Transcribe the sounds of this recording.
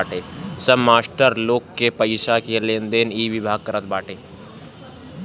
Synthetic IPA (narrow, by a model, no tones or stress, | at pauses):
ʈeːsəbmaːsʈəɾloːkːepəɪʃakeleːnd̪eːniːʋɪbʱaːɡ̚kəɾət̪̚baːʈeː